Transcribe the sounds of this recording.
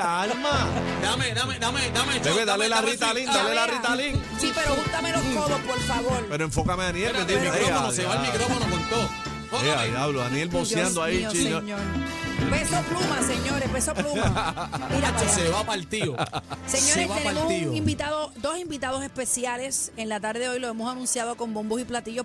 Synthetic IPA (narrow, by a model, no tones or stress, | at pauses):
alma | d̪amed̪amed̪amed̪amet͡ʃeβeðalelarit̪alind̪alelarit̪aliŋ | sipeɾohunt̪amelosk̪oðospolfaβoɾpeɾoẽɱfo̞kameanjelk̪et̪imeiɾonoseβalmikɾofonokõnt̪o | oeaaβloanjelbosjand̪oait͡ʃioɲoɾbesoplumaseɲoɾebesoplumamiɾaoseβapalt̪ioseɲoɾesβat̪enemotsuioŋimbit̪aðo̞d̪o̞simbit̪aðo̞se̞hpe̞sjale̞seŋlat̪aɾðeeojloe̞mosanũnsjaðoko̞mbo̞mbosiplat̪iʝo